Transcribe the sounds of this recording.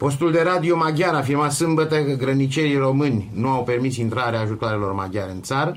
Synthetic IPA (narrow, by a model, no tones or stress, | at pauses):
po̞s̬t̪uld̪e̞ɾad̪io̞maɡʲjaɾafirmat̪sɨmbət̪əkəɡɾənit͡ʃe̞ɾiro̞mɨnʲnuawpe̞rmisint̪ɾaɾeaːʒut̪oaɾe̞lo̞rma̰ɡʲjaɾeɨnt̪saɾə